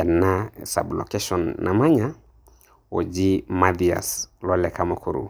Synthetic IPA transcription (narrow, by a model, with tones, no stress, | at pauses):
ɛ˨na˦sa̰˨blɔ̰˨kɛ˦ʃɔ˨nːa̰˨ma˦ɲa | o˨d͡ʒi˦ma˦d̪ia̰˨slɔ˦lɛ˨kamo˦kʰuɾṵ